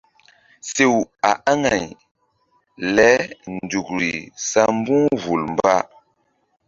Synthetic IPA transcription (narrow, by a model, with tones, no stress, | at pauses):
se˨wa˨ʔa˦ŋa˨j | lɛ˨˦n˨du˨kɾḭ˨sa˦m˦bu˦ŋvu˨lmba˦